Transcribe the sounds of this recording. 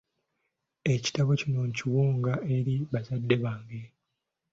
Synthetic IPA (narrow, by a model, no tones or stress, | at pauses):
e̞ci̥taβocinoɲciwuːŋɡae̞ɾiβazadːe̞βaːŋɡe